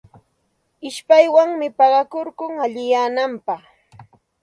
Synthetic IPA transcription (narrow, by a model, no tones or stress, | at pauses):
ɪʃpajwaŋmɪpɑɢɑkoɾkʊŋaʎɪjaːnampɑχ